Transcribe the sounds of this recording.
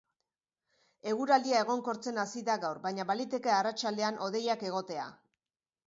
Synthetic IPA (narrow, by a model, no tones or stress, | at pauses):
e̞ɣuɾald̪iae̞ɣ̞o̞ŋko̞ɾt͡se̞nasiðaɣawɾbajɲaβalit̪e̞ke̞arat͡ʃald̪e̞anʔo̞ð̞e̞jake̞ɣ̞o̞t̪e̞a̰